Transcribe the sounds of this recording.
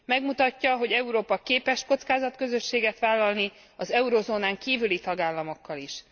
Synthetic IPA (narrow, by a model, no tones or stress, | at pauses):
mɛɡmut̪ɒcːɒɦo̞ɟɛuɾoːpɒkeːpɛʃkot̪skaːzɒt̪køzø̞ʃːeːɡɛt̪ʋaːlːɒlni | ɒzɛuɾozoːnaːŋkiːvylit̪ɒɡaːlːɒmo̞kːɒliʃ